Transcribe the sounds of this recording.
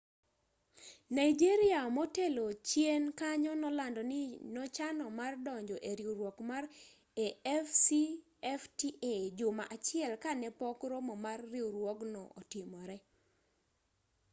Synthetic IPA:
naid͡ʒiɾɪamɔtelot͡ʃjenkaɲɔnɔlandɔnɪnɔt͡ʃanɔmardɔɲd͡ʒɔʔeɾiuɾwɔkmar | eɛfsi | ɛftiʔed͡ʒʊmaʔat͡ʃɪɛlkanɛpɔkɾomɔmarːiuɾwɔɡnɔʔɔtɪmɔɾɛ

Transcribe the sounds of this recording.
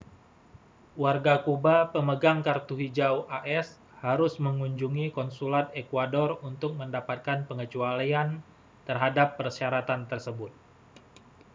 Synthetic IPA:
warɡakubapəməɡaŋkart̪uɦid͡ʒawʔaʔɛs | haɾʊsməŋuɲd͡ʒuŋikɔnsulat̪̚ekwadɔrunt̪ʊk̚məndapat̪̚kanpəŋət͡ʃualian | t̪ərɦadapːərsaɾat̪ant̪ərsəbʊt̪̚

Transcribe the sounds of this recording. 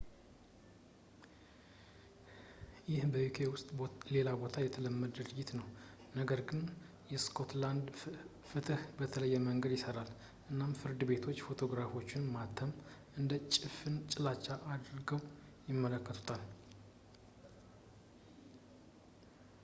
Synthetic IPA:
jɪhbəjukʰe̞wʊst̪ʼle̞labo̞t̪ʰajɛt̪ʰələmːəd̪ɨɾɨd͡ʒɪt̪nəw | nəɡəɾɡɨn | jɛskʰo̞t̪land̪ | fɨt̪ʰɨhbət̪ʰələjːɛməŋɡəd̪jɪsəɾal | ʔɨnːamfɨɾd̪ɨbe̞t̪ʰo̞t͡ʃːfo̞t̪ʰo̞ɡɾafo̞t͡ʃːɪnmat̪ʰːəmʔɨnd̪ət͡ʃʼɪfɨnt͡ʃʼɪlat͡ʃːaʔad̪ɾɨɡəw | jɪmːələkːət̪ʰu̥t̪ʰal

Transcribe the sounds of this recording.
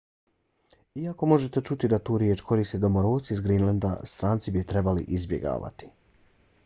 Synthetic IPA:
iako̞mo̞ʒe̞t̪e̞t͡ʃut̪id̪at̪uːɾjeːt͡ʃkʰo̞ɾiːst̪eːd̪o̞moɾoːsiːzɡɾinland̪a̰st̪ɾaːnt̪sibit̪ɾe̞balḭʔizbjḛɡa̰ːʋa̰t̪i̥

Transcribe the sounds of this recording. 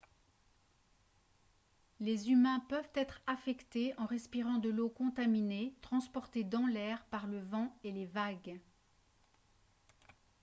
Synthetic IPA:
lezymɛ̃pœvt̪ɛt̪χafɛkt̪eɑ̃ʁɛspiʁɑ̃d̪əlokɔ̃t̪aminet̪χɑ̃spɔʁt̪ed̪ɑ̃lɛʁpaʁləvɑ̃elevaɡ

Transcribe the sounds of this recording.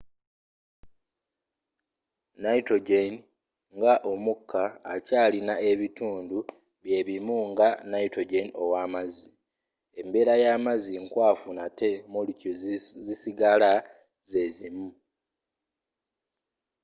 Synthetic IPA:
naitoɟen | ŋɡaʔo̞mukʰːaːcaːlinae̞βituːndu | βje̞ːβimuŋɡanaitoɟeno̞waːmazi | e̞mbe̞ːɾajaːmaziŋkwaːfunate̞mulucozisiɡala | ze̞zimu

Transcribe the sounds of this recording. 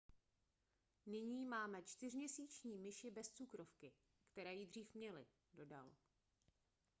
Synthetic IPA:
nɪɲiːmaːmɛt͡ʃt̪ɪr̝mɲɛsiːt͡ʃɲiːmɪʃɪbɛst͡sukɾofkɪ | kt̪ɛɾɛːjidr̝iːfmɲɛlɪ̰ | do̞da̰l

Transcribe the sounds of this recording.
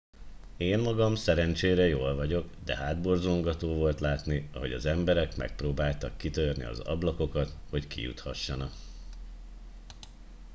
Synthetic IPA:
eːmmɒɡɒmsɛɾɛnt͡ʃeːɾɛjoːlvɒɟo̞ɡd̪ɛɦaːd̪borzoŋɡɒt̪oːvo̞lt̪laːt̪niɒ̰ɦo̞ɟɒ̰zɛmbɛɾɛkmɛ̰k̚proːbaːlt̪ɒkːit̪ørnḭɒ̰zɒ̰blɒko̞kɒt̪ho̞ckḭjṵt̪hɒʃːɒnɒk

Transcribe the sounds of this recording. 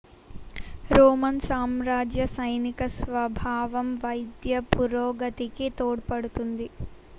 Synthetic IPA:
ɾoːmɐnsaːmɾaːd͡ʒjɐsɐjnikɐsʋɐbʱaːʋɐmʋɐjd̪jɐpuɾoːɡɐt̪ikit̪oːɽpɐɽut̪und̪i

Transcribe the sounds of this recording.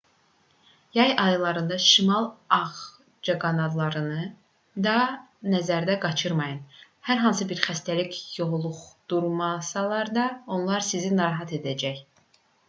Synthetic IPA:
jɑjɑjlˠɑɾɯnd̪ɑʃimɑlˠɑʁ | d͡ʒɑɡɑnɑd̪lˠɑɾɯnɯ | d̪ɑnæzæɾd̪æɡɑt͡ʃʰɯɾmɑjɯn | hæɾɦɑnsɯbiɾxæst̪ælicjoʁlˠuʁd̪̥uɾmɑsɑlˠɑɾd̪ɑo̞nlˠɑɾsizinɑɾɑɦɑt̪ʰe̞d̪æd͡ʒæj

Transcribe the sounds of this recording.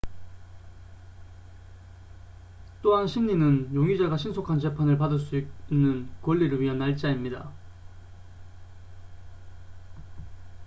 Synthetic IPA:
t͈oɦanɕʰiŋɲinɯnjoŋid͡ʑaɡaɕʰinsʰokʰant͡ɕe̞pʰanɯɭpadɯɭs͈uiinːɯnkwʌʎːiɾɯɭɥiɦʌnːaɭt͡ɕ͈aimɲida̰

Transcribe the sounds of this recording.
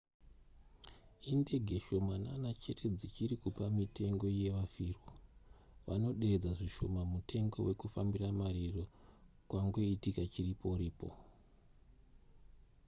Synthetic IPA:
inde̞ɡʱe̞ʃo̞mananat͡ʃe̞tʰe̞d͡zit͡ʃirikupamitʰe̞ŋɡo̞je̞ʋafirwo | ʋa̰no̞ɗe̞ɾe̞d͡zaʐiʃo̞mamutʰe̞ŋɡo̞̰we̞kufambiramariro̞kwaŋɡo̞itikat͡ʃiripo̞riːpo̰

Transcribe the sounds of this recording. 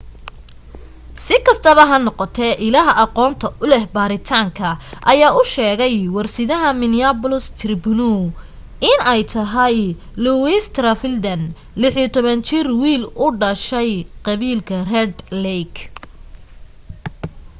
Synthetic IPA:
sɪkʰɐst̪ʰɐβɐɦɐnɔqɔt̪ʰɛʔɪlaːɦɐʔɑqɔːnt̪ʰɐʔʊlɛhbaːɾɪt̪ʰaːŋkʰɐʔɐjaːʊʃɛːɣɛjwɑrsɪðɐɦɐmɪnɪapʊlʊst̪ʰrɪbnu | ɪnɛjt̪ʰɐɦɐj | luwist̪ʰrɐfɪld̪ɐn | lɪħit̪ʰɔβɐnt͡ʃɪrwiːlʊɖɐʃɛjqɑβiːlkʰɐrɛd̪lɛjk

